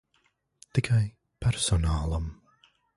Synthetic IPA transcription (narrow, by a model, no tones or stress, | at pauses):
t̪ikʰaj | pɛɾsɔnaːlˠam